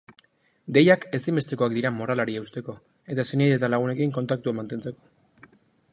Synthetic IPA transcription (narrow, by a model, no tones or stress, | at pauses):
d̪e̞jake̞sime̞st̪e̞ko̞ak̚d̪iɾamoɾalaɾieust̪e̞ko̞ | e̞t̪aseniejet̪alaɣ̞une̞kiŋko̞nt̪ak̚t̪uamant̪e̞nt͡se̞ko̞̥